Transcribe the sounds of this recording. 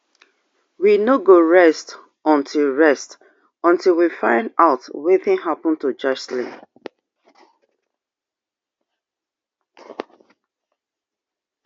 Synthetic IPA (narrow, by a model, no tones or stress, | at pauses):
winoɡoɹɛst | ɔ̃ntʰilɹɛst | ɔ̃ntilwifãɪ̃ndaʊtweθɪ̃ŋɦapɔ̃n̩tud͡ʒʌt͡ʃslḭ̃